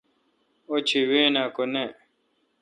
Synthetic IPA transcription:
ot͡ɕʰiweːnakone

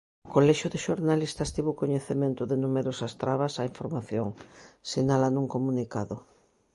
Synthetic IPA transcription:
kolɛʃʊðeʃoɾnalist̪ɐst̪iβoʊkoɲeθemẽnt̪ʊðenumeɾosɐst̪ɾaβasaiɱfoɾmaθjoŋsiɲalanuŋkomunikaðʊ

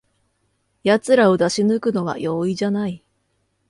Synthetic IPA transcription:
jat͡sɨɾao̞d̪aɕinɯ̟kɯ̟no̞βa̰jo̞ːiʑanai

